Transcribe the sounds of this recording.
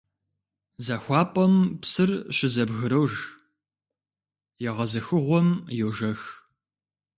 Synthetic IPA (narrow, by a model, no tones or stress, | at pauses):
zɐxʷɑːpʼɐmpsɨrɕɪzɐbɣɨɾɐwʒ | jɛʁɐzɐxɨʁʷɔmjɛwʒɐx